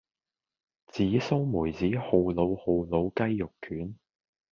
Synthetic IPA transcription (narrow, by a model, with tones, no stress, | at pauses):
t͡siː˨˥so˥wmuː˨˩jt͡siː˨˥ho˨˧wlo˨˧who˨˧wlo˨˧wkɐ˥jjʊ˨kʰyː˨˥n